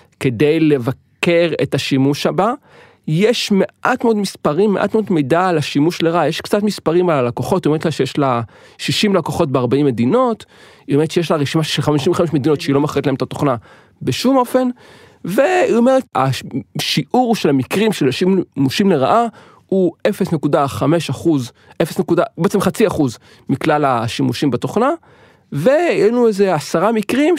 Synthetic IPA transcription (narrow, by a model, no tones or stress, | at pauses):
ke̞dejle̞vakeʁetaʃimuʃaba | jeʃmeʔatmeodmispaʁimːeʔa̰tmeodmejdalaʃimuʃleʁaʔajeʃkt͡satmispaʁimalalakoχo̞tioeetlaʃejeʃla | ʃiʃimlakoχo̞t̚beaʁbaimːedino̞t | iomeʁetʃejeʃlaʁeʃimaʃelχamiʃimveχameʃme̞d̪inotʃeilo̞maχetlaemet̪at̪oχna | beʃumo̞fe̞n | ve̞io̞meʁetaʃiʔuʁʃelamikʁimʃelʃimmuʃimleʁaʔa | uefesnekudaχame̞ʃaχuz | ʔefesnekudabeet͡semχat͡siaχuz | miklalaʃimuʃimbat̪oχna | ve̞ienueze̞asaʁamikʁim